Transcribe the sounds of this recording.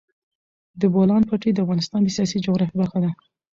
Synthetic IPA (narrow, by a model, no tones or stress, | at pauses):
d̪əbolɑnpɑʈed̪əafɣɑnɪst̪ɑnd̪əsijɑs̬id͡ʒaɣɾɑfibaɾxad̪a